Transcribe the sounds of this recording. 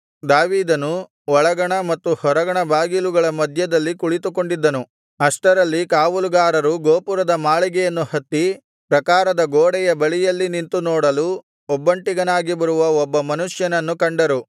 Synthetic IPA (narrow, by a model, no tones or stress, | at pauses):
d̪aːʋiːd̪ɐnu | ɔɭɐɡɐɳɐmɐt̪ːuhɔɾɐɡɐɳɐbʱaːɡiluɡɐɭɐmɐd̪ʱjɐd̪ɐlːikuɭit̪uko̞ɳɖid̪ːɐnu | ɐʂʈɐɾɐlːikaːʋuluɡaːɾɐɾuɡoːpuɾɐd̪ɐmaːɭiɡɛjɐnːuhɐt̪ːi | pɾɐkaːɾɐd̪ɐɡoːɽɛjɐbɐɭijɐlːinint̪unoːɽɐlu | ɔbːɐɳʈiɡɐnaːɡibɐɾuʋɐɔbːɐmɐnuʂjɐnɐnːukɐɳɖɐɾu